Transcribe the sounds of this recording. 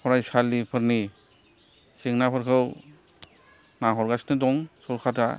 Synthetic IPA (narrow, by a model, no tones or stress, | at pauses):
pʰɔɾajsalːipʰəɾni | siŋnapʰaɾkʰɯw | naɦɔɾɡasnidɔŋsɔɾkʰata